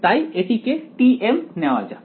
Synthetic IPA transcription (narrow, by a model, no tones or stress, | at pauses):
t̪aieʈ̪ikeʈiemnɛʋad͡ʒa